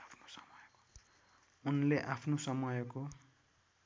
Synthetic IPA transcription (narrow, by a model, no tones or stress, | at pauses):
apʰno̥sʌ̥mʌjko̥ | unleʔapʰnosʌmʌjko